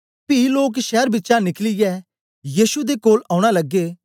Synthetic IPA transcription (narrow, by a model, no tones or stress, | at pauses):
piːloːkʃɛːɾbɪtːʃanɪklijɛː | jiːʃud̪ekoːlaːʊɽ̃aləɡːe